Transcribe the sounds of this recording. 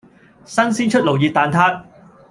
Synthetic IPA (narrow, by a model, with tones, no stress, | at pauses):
sɐ˥nsiː˥nt͡ʃʰɵ˥t̚lo˨˩wjiː˨˧t̪aː˨nt̪ʰaː˥t̚